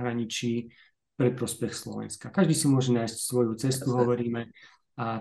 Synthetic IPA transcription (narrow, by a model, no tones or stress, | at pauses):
ɦɾaɲit͡ʃiː | pɾɛpɾɔspɛxslɔ̰ʋɛ̰nskakaʒd̪iːsimʊɔʒɛnaːjscsʋɔjut͡sɛst̪uɦɔʋɔɾiːmɛ | a